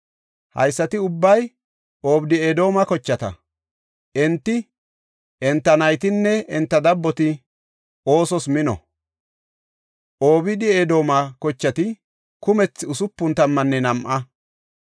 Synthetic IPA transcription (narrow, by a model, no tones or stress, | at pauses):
hɐ̰jsːɐt̪ɪʊbːɐj | ʔo̞ːbɪd̪ɪeːd̪o̞ːmɐkɔt͡ʃːɐt̪ɐ̰ | ʔɛnt̪ːɪ | ʔɛnt̪ːɐnɐjt̪ɪnːɛɛnt̪ːɐd̪ɐbːɔt̪ɪ | o̞ːsɔsmɪnɔ̰ | ʔoːbɪd̪ɪed̪o̞ːmɐkɔt͡ʃːɐt̪ɪ | kʊmɛt͡sːɪʊsʊpːʊnt̪ɐmːɐnːɛnɐmʔɐ